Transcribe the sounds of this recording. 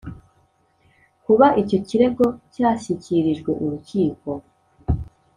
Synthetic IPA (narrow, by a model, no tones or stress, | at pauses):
kuβaʔico̞ciɾe̞ɡo̞caːɕiciɾiʒɡweʔuɾuciːko̞